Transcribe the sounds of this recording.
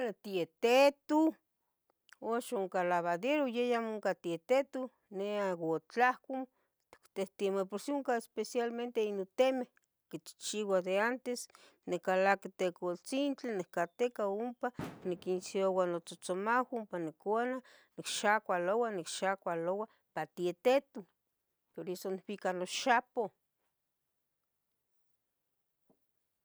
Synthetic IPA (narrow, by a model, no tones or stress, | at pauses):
alet̪iet̪et̪u | oʃuŋkalaβad̪eɾojejamoŋkat̪iet̪et̪u | neaɡot͡ɬahkom | t̪eht̪imepoɾsiuŋkaespesjalment̪einot̪emeh | kit͡ʃt͡ʃiwad̪eant̪es | nekalakit̪ekolt͡sint͡ɬinehkat̪ekaumpanikinsiowanot͡sot͡somawumpanekʷananikʃakʷalowanikʃakʷalowa | pat̪iet̪et̪u | poɾesoniwikanoʃapo